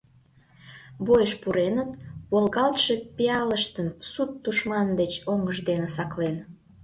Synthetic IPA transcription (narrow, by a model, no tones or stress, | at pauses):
bojəʃpuɾenət̪̚βolɣɑlt̪ʃepiɑləʃt̪ənsut̪ːuʃmɑnd̪et͡ɕoŋəʒd̪enesɑklen